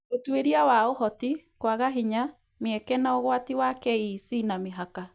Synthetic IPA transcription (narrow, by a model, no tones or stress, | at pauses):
otweɾiawaohɔtikwaɣaɦiɲa | mjɛkɛnaoɣwatiwakɛisinameɦaka